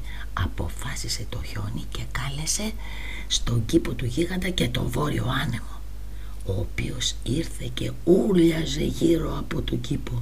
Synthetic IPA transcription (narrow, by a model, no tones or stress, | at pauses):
ɐpo̞̰fɐsise̞t̪o̞ço̞nice̞kɐle̞se̞ | st̪o̞ɲɟipo̞t̪uʝiɣɐnd̪ɐce̞t̪o̞vo̞ɾio̞ɐne̞mo̞ | oːpḭo̞siɾθe̞ce̞ | ulɐze̞̰ʝiɾo̞ɐpo̞t̪oɟipo